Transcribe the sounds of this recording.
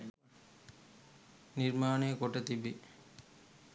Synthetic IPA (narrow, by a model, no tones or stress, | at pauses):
niɾmaːnekoʈet̪ibi